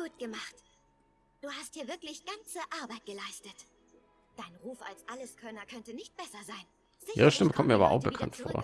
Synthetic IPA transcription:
ɡ̥uːtɡ̥əmaχt | d̥uːhast̚d̥iːɐvɪɐklɪçɡ̥ant͡səʔaɐbaɪt̚ɡ̥əlaɪstət | d̥aɪnʁuːfa̰lsʔaləskʰœnɐkʰœntənɪçt̚b̥ɛsɐzaɪn | iːʁəʃtɪməkʰɔmt̚miːɐabɐʔaʊxb̥əkʰa̰ntfo̰ːɐ

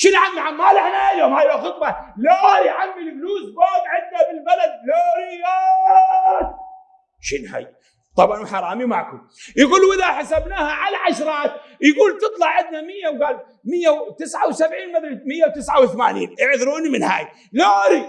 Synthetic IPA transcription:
ʃɪnʕamːiʕamːaːlɪħnaljoːmhaːjaxɨt̪ˤbɑlaɾiʕamːɪlfluːsbaːɡ̪ʕɪd̪nabɪlbalad̪̚laːɾia | ʃɪnha̰ːj | t̪ˤɑbʕɑnwħɑɾˤɑːmimaʕkʊm | jaɡuːlwʔɪðaħasabnaːhaʕalaʕaʃɾˤɑːt̪̚jɡuːlt̪ɨt̪ˤlɑʕʕɪnd̪namɪjːawɡaːl | mɪjːawt̪ɪsʕawsabʕiːnmaθalmɪjːawt̪ɪsʕawθama̰ːnḭːnʔɪʕðɾuːnimɪnha̰ːj | laːɾi

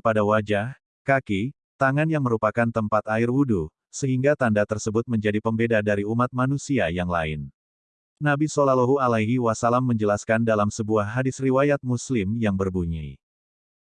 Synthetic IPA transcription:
əpadawad͡ʒah | kaki | t̪aŋanjaŋməɾupakant̪əmpat̪aɪrwudu | səɦiŋɡat̪andat̪ərsəbʊt̪̚məɲd͡ʒadipəmbedadaɾiumat̪̚manusiajaŋla̰ɪ̰n | nabisolaloɦualaɦiwasalamːəɲd͡ʒəlaskandalamsəbuahɦadɪsriwajat̪̚muslɪmjaŋbərbuɲi

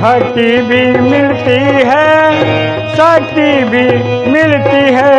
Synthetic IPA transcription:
ɦaʈibʱimɪlt̪iɦɛ | saːʈibʱi | mɪlt̪iɦɛ

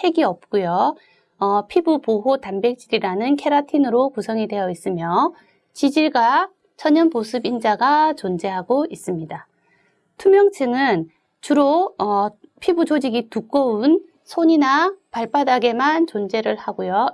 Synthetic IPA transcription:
he̞ɡiʌp̚k͈ojo | ʌpʰibupoɦotambe̞k̚t͡ɕ͈iɾiɾanɯnkʰe̞ɾatʰinɯɾokusʰʌŋide̞jʌis͈ɯmjʌ | t͡ɕid͡ʑiɭɡa | t͡ɕʰʌɲʌnmosʰɯbind͡ʑaɡat͡ɕond͡ʑe̞ɦaɡois͈ɯmɲida | tʰumjʌŋt͡ɕʰɯŋɯn | t͡ɕuɾoʌpʰibud͡ʑod͡ʑiɡituk͈ʌun | sʰoɲinapaɭp͈adaɡe̞mant͡ɕond͡ʑe̞ɾɯɭhaɡojo

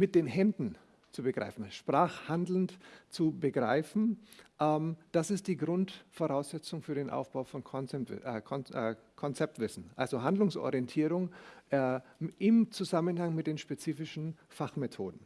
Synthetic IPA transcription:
mɪt̚d̥eːnɦɛndn̩ | t͡subəɡʁa̰ɪfn̩ʃpʁ̥aːχhandl̩n̩tt͡subəɡʁa̰ɪfn̩ʔɛmd̥asɪst̚d̥iːɡʁʊntfoʁaʊsz̥ɛt͡sʊŋfyːɐɾeːnʔa̰ʊfb̥aʊfɔnʰ | kʰɔ | kʰɔnt͡sɛp̚tv̥ɪsn̩ʔa̰lzoɦandlʊŋsʔo̰ʁiɛntʰiːʁʊŋː | ʔɪmt͡suzamənhaŋmɪt̚d̥eːnʃpet͡siːfɪʃn̩faχmetʰo̰ːdn̩

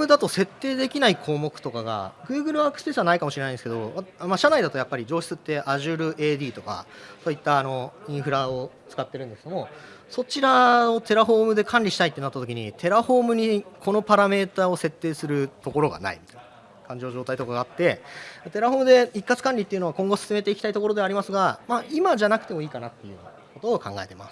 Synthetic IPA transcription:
mɯd̪at̪o̞se̞t̪ːe̞ːd̪e̞kʲinaikʰo̞ːmo̞kɯ̟̥t̪o̞kaɡa̰ɡɯ̟ːɡɯ̟ɾɯ̟βaːkɯ̥sɨ̥pe̞ːsɨβanaikamoɕiɾeaĩd̪eske̞d̪o̞amaɕanaid̪at̪o̞japːaɾʲid͡ʑo̞ːɕi̥t͡sɨt̪ːe̞ʔaʑɨɾɯ̟ʔe̞ːd̪ʲiːt̪o̞ka̰so̞ːit̪ːaːno̞ĩɰ̃ɸɯ̟ɾao̞ | t͡sɨ̥kat̪ːe̞ɾɯ̃nd̪sked̪omo̞ | so̞t͡ɕiɾao̞t̪e̞ɾaɦo̞ːmɯ̟d̪e̞kʰãnʲɾʲiɕi̥t̪ait̪ːe̞nat̪ːat̪o̞kʲiɲ̟it̪ʰe̞ɾaho̞ːmɯ̟ɲ̟ikʰo̞no̞paɾame̞ːt̪aːo̞se̞t̪ːe̞ːsɨɾɯ̟t̪o̞ko̞ɾo̞ɡa̰na̰ḭmit̪ain | kãɲ̟d͡ʑooʑo̞ːt̪ait̪o̞kaɡaːt̪ːe̞at̪e̞ɾaɦo̞ːmɯ̟d̪e̞ikːat͡sɨ̥kãnʲɾʲit̪ːeiɯ̟noakõ̞ŋɡo̞sɨ̥sɨme̞t̪e̞iki̥t̪ait̪o̞ko̞ɾo̞d̪e̞aɾʲimasɨɡamaimaʑanakɯ̟̥t̪e̞mo̞iːkanat̪ːe̞jɯ̟̰ː | ko̞t̪o̞ːkã̰ŋɡa̰e̞t̪e̞masɨ̥

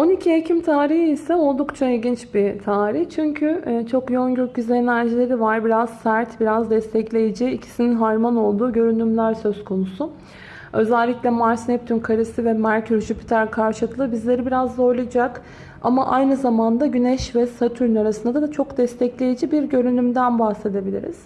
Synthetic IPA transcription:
o̞nicʰiecʰimt̪ʰaːɾihiisɛo̞lˠd̪ukt͡ʃʰailʲɟint͡ʃbit̪ʰaːɾiçt͡ʃʰyɲcʰyt͡ʃʰo̞kjonɟøɾcyzɛenæɾd͡ʒilʲe̞ɾivaɾbiɾaz̥sæɾt̪biɾazd̪ɛst̪ʰɛclʲe̞jid͡ʒiːcʰi̥sininɦaɾmano̞lˠd̪uːɟø̞ɾynymlʲæɾsø̞z̥kʰo̞nusʊ | ø̞zælʲːicʲlʲɛmaɾsinɛp̚t̪ʰynkʰaɾɯsɯvɛmæɾcʰyɾʒypi̥t̪ʰæɾkʰaɾʃɯk̪lˠɯbizlʲe̞ɾibiɾazd̪ˠaolˠajd͡ʒak | a̰maʔajnɯzamand̪aɟynɛʃvɛsat̪ʰyɾynaɾasɯnd̪ad̪ad̪at͡ʃʰo̞kd̪ɛst̪ʰɛclʲe̞jid͡ʒibiɾɟø̞ɾynymd̪ænbahse̞d̪e̞bilʲḭɾḭz̥

